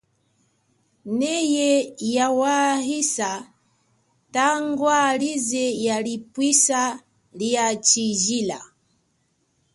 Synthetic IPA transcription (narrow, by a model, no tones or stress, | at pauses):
nɛjɛjawaɦisa | taŋɡwalizɛjalipwisa | liat͡ʃiʒila̰